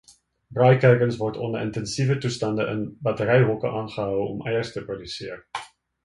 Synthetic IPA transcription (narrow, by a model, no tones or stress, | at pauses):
brɑːjkɛjkənsvɔrtʰɔndəɾəntɛnsivətustɐndəʔənbɐtəɾɛjɦɔkəʔɑːnχəɦœwɔ̰mʔɛjərstəprodysiər